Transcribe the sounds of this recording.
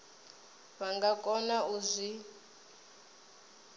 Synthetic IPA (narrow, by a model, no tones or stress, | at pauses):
βaŋɡakʼɔnauzʷi